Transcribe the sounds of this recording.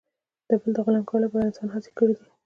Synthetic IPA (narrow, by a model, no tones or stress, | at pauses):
d̪̥əbəld̪əɣʊlankɑlapəɾɪnsɑnɦɑt͡se̥kəɽid̪i